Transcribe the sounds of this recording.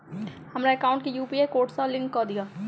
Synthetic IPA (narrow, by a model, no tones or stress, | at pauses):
hɐmɾaekaːʊ̃ɳʈ̚kijuːpiekoːʈsalɪ̃ŋkːɔd̪ijaː